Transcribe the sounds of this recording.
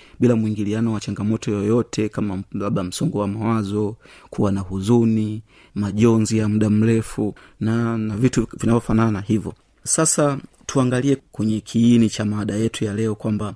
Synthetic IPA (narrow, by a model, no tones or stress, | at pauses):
ɓilamwiŋɡilianɔwat͡ʃaŋɡamɔtɔjɔjɔtʰɛkamalaɓam̩sɔŋɡɔwamawazɔkʰuwanahuzuni | maʄɔnzijam̩ɗam̩ɾɛfu | nanavituvinavɔfanananahivɔ | sasa | tʰuaŋɡaliɛkwɛɲɛkʰiːnit͡ʃamaɗajɛtʰujalɛɔkwamba